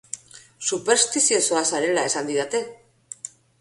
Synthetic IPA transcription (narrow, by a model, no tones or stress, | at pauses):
supe̞ɾst̪isioso̞asaɾe̞lae̞sand̪iðat̪e̞